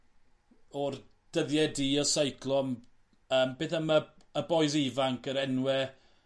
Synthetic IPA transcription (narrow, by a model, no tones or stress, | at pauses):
ɔr | d̥əðjɛdiːɔsajɡlˠɔm | əːmbeːθəmə | əbɔjsɪvaŋkəɾɛnwɛ